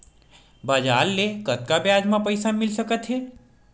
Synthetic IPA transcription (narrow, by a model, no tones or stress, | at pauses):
bad͡ʒaːlːekət̪̚kabjad͡ʒmãpəjsamɪlsəkət̪ʰɦe